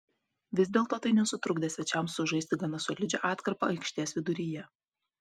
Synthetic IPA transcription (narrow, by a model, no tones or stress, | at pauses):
ʋʲɪzʲd̪ʲeːlˠt̪oːt̪ɐɪnʲɛsʊt̪ɾʊɡd̪ʲɛsʲʋʲɛt͡ʃʲɛmsʊʒɐɪst̪ʲɪɡɐnɐsɔlʲɪd͡ʒʲɛ̰ʔɑːt̪kɐɾpɐ̰ɐɪkʃʲt̪ʲeːsʋʲɪd̪ʊɾʲijɛ